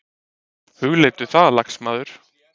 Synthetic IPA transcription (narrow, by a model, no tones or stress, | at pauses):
hʏɣleːjt̪ʏθaðlaksmaːðʏɾ̥